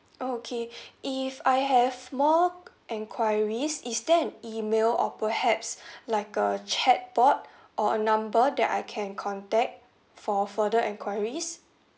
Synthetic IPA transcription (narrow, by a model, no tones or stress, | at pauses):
okʰeʔifajɦɛvmɔ | ʔɛ̃ŋkʰwajɹisisdɛ̃nimelɔ̰pəhɛpslaɪkət͡ʃʰɛt̚b̥ɔt̚ | ʔɔənãmbədɛ̰ta̰jkʰɛ̃nkʰɔ̃ntɛk̚t̚ | fɔfədəʔɛ̃nkʰwaɪɹis